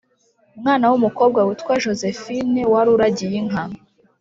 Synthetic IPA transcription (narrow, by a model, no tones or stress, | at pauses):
umŋaːnawumuko̞b̚ɡawutkwaʒo̞zefinewaɾuɾaɟijiŋ̥ami